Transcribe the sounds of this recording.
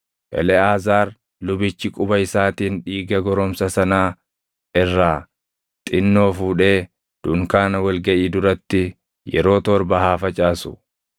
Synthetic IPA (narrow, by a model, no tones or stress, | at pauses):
ʔɛ̰lɛaːzaːɾ | lʊbɪt͡ʃːɪkʼʊbɐɪsaːt̪iːnᶑiːɡɐɡɔɾɔmsɐsɐnaː | ɪrːaː | t̪ʼɪnːo̞ːfuːᶑe̞ː | d̪̥ʊŋkaːnɐwɐlɡɐʔiːd̪ʊɾɐt̪ːɪ | jɛ̰ɾo̞ːt̪ɔɾbɐhaːfɐt͡ʃʼaːsʊ̥̰